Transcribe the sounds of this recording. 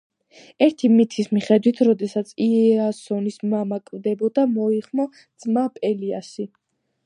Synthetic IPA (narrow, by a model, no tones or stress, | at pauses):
ɛɾt̪ʰimit̪ʰismiχɛd̪wit̪ʰɾɔd̪ɛsat̪sʰiɛasɔnismamakʼvd̪ɛbɔd̪amɔiχmɔ | d̪z̥mapʼɛlia̰si